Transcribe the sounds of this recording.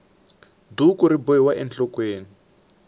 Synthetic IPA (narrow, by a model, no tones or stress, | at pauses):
dukuɾibɔɛwaʔɛnt͡ɬɔkweːni